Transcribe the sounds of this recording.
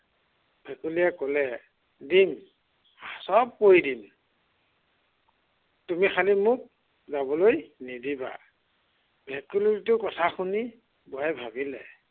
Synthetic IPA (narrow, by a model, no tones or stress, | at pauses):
bʱɛkulijɛkɔlɛ | dim | asɔb̚kojdim | tumixʰalimʊk̚ | zabɔlojnidiba̰ | bʱɛkuliɹitʊkɔtʰaxʰuni | bɔajbʱabilɛ̰